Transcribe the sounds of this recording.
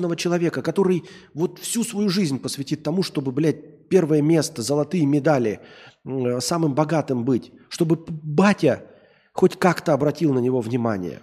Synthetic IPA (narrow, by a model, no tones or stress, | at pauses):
nəvət͡ɕɪlˠɐvʲe̞kəkɐt̪o̞ɾɨj | vo̞t̪fsʲusvɐjuʐɨzʲnʲpəsvʲɪtʲit̪ːɐmuʂt̪o̞bɨblʲæt̚ʲpʲe̞rvəjəmʲe̞st̪əzəlˠɐt̪ɨjəmʲɪd̪alʲɪ | samɨmbɐɡat̪ɨmbɨtʲʂt̪o̞bɨbatʲə | xotʲkakt̪əɐbɾɐtʲilˠnənʲɪvo̞vnʲɪmanʲɪ̰jə̰